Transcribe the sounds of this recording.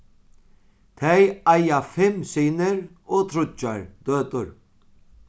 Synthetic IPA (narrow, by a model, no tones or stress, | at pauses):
t̪ʰɛjajafɪmsiːnɪɾ | ɔːt̪ʰɾʊt͡ʃːaɹd̪̥øːt̪ʊɹ